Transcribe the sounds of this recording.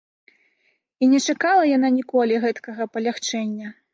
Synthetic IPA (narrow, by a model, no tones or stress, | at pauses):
inʲɛt͡ʂakalˠɐjananʲikɔlʲiɣɛt̪kɐɣɐpɐlʲaxt͡ʂɛnʲːɐ